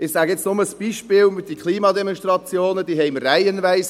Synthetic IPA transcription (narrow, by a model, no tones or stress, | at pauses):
ɪsæːɡjɛt͡snʊməsb̥iːʃpɪːlmɪd̥ikʰlˠiːmɑd̪ɛmɔnʃtrɑt͡sjoːnəd̥iːɦɛɪmərːæjənvæɪs